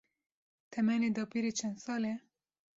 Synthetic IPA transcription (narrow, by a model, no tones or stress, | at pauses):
t̪ʰɛmɛned̪ɑpiɾet͡ʃʰɛnd̪sɑːle